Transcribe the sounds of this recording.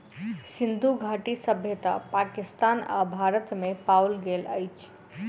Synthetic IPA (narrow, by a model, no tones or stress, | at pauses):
sind̪ʱuɡʱaʈisəbʱjət̪a̰pakɪst̪aːna̰bʱaɾət̪mepaulɡelə̰jt͡ʃʰ